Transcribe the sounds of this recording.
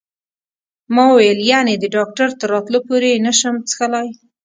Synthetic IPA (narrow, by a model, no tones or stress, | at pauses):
mɑwwajəljaned̪əɖɑk̚ʈaɾt̪əɾːɑt̪lopoɾenaʃəmt͡sə̥xəlɑj